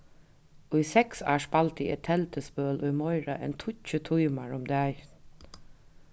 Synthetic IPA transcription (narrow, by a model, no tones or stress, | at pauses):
ʊjsɛksa̰ːʂpalt̪ɪɛ̰t̪ʰɛlt̪əspœːlʊjmɔɪɹaʔɛ̰nt̪ʰʊt͡ʃət̪ʰʊjmaɹʊmd̪æj